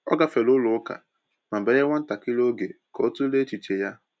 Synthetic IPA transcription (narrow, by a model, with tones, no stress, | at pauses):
ɔ̰˦ɡa˨fe˨lʊ˦lʊ˨˦ka̰˨ | na˨be˨˦e˦ŋʷa˦n̩˦ta˨kɪ˦lo˦ɡe˨ | kɔ˨˦tu˦le˦t͡ʃi˨t͡ʃe˨ja˦